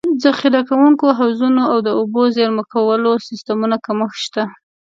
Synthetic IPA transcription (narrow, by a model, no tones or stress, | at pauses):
zaxiɾɑkawuŋkoɦawzunoawd̪əobozeɾməkawəlosɪst̪amunakaməxʃt̪a